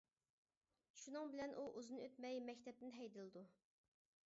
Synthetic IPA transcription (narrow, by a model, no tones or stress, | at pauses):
ʃunɨŋbɪlɛnʔuʔuzɨnɨøt̪mɛjmɛkʲt̪ʰɛp̚t̪ɪnɦɛjd̪ɨlˠɨd̪u